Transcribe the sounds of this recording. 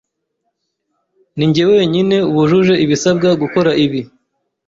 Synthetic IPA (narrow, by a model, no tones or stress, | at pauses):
niɲɟeweweɲine̞uβuʒuʒe̞ʔiβisab̚ɡaɡuko̞ɾaʔiβi